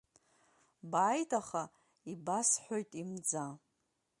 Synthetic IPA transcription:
bajtʰaχa | ibasħʷᶣojtʼimd͡za

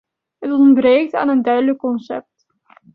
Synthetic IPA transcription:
ɦətɔntbrejk̚ta̰ːnəndœɥdələkːɔnsɛ̰p̚t

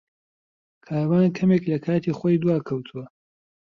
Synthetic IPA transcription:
kʰaːwaːnkʰɐmeːklɐkʰaːt̪ʰiːxwojd̪uwaːkʰɐwt̪ʰuwɐ

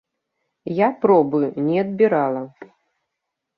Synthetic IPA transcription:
japɾɔbɨnʲɛɐd̪̚bʲiɾalˠɐ

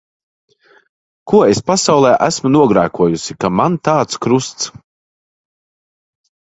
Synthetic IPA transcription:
kuɔespasawlˠɛːʔæsmunuɔɡɾæːkuɔjusikamant̪aːt̪skɾust̪s

